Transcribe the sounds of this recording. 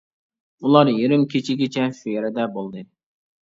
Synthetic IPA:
ulˠɑɾjeɾɪmkʲʰet͡ʃʰɪɡʲit͡ʃʰɛʃyjɛɾɛd̪ɛbolˠd̪ɨ

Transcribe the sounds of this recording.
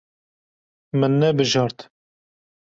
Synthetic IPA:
mɨnːɛbɨʒɑɾt̪

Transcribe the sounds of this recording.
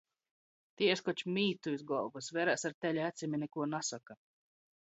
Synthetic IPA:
t̪ieskɔt͡ʃmʲiːt̪uizɡɔlˠbɨsvʲɛːɾæːsaɾt̪ʲɛlʲɛæt̪sʲimʲinɛkuɔnasaka

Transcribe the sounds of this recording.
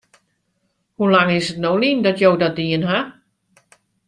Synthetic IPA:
hulaŋɪsətnowlindɔtjowdɔdiənɦa

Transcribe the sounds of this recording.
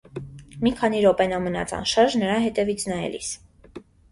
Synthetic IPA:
mikʰɑniɾɔpɛnɑmənɑ̰t͡sʰɑ̰nʃɑɾʒnəɾɑɦɛt̪ɛvit͡sʰnɑjɛ̰lḭs

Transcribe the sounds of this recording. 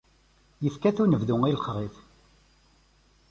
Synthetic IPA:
jəfkæθunəvðʊŋilqʁiθ

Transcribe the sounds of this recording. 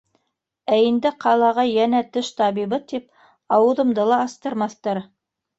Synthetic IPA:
æind̪ɘqʰɑlˠɑʁɑjænæt̪ɘʃt̪ɑβiβɤt̪ip̚ | ɑwɤ̆ðɤ̆md̪ɤlˠɑːst̪ɤ̆ɾmɑθt̪ɑɾ

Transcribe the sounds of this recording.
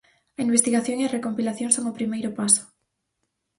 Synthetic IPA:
ɐimbest̪iɣaθjoŋiɐrekompilaθjoŋsoŋopɾimejɾʊpaso̥

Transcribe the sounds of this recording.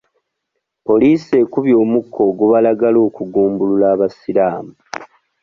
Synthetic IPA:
po̞liːse̞kuβjo̞ːmukʰːo̞ːɡuβalaɡalo̞ːkuɡuːmbululaːβasilaːmu

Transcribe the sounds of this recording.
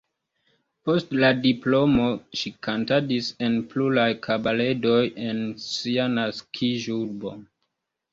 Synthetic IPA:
postladiplo̞moʃikʰantadise̞npluɾajkʰabaledo̞jensianaskʰiʒuɾbo̰

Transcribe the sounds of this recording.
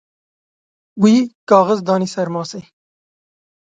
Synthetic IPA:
wiikɑːɣəzd̪ɑːnisɐɾmɑːse

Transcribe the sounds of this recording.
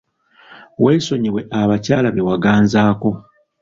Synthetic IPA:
we̞ːso̞ɲiwe̞ʔaβacaːlaβewaɡaːnzaːko̞

